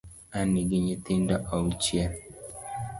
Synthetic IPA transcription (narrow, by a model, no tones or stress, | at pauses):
aniɡiɲitindaʔaut͡ʃia